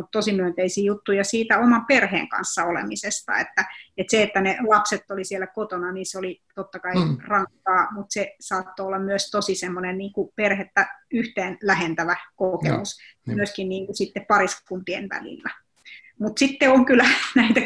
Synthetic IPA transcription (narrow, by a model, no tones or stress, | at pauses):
mut̪t̪osimyønt̪eisiːjut̪ːujɑsiːt̪æomɑmperhḛːŋkɑ̰nsːɑolḛmisest̪ɑ̰ḛt̪ːæet̪seet̪ːænelɑpset̪ːolisielːækot̪onɑninseolit̪ot̪ːɑkɑirɑŋkːɑːmut̪sesɑːt̪ːoolːɑmyøst̪osisemːonenniːŋkuperhet̪ːæyht̪eːnlæhent̪æʋækokḛmus | myøskinniːŋkusit̪ːeppɑriskunt̪iḛnʋæ̰lḭlːæ | mut̪sit̪ːeoŋkylːˑænæit̪æ